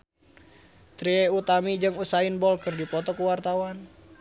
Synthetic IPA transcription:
t̪ɾieut̪amid͡ʒɨŋusaɪnbɔlkɨrdipɔt̪ɔkuwart̪awan

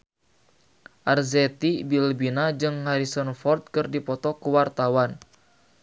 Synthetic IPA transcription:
ʔarzɛt̪ibilbinad͡ʒɨŋhaɾisɔnfɔrt̪̚kɨrdipɔt̪ɔkuwart̪awan

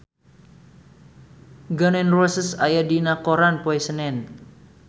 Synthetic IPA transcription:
ɡanɛnrosəsajadinakoɾanpoɛsənɛn

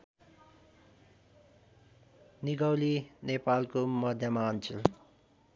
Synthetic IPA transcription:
niɡʌwlinepalkomʌd̪ʱjamaʌnt͡sʰil

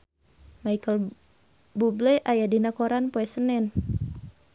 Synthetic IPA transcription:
maikəl | bublɛʔajadinakoɾanpɔɛsənɛn

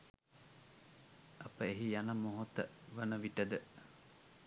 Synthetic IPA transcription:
ʔɐpəeɦijanɐmːoɦot̪ə | ʋɐnəʋiʈəd̪ə

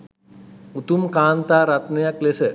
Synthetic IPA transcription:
ut̪umkaːnt̪aːɾat̪nejaklesə

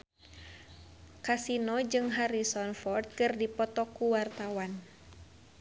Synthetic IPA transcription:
kasinɔd͡ʒɨŋɦaɾisɔnfɔrt̪̚kɨrdipɔt̪ɔkuwart̪awan

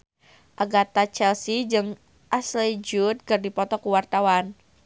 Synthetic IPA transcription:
ʔaɡat̪at͡ʃɛlsid͡ʒɨŋ | ʔasled͡ʒut̪̚kɨrdipɔt̪ɔkuwart̪awan

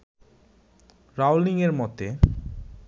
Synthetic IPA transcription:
ɾawliŋeɾmɔt̪e

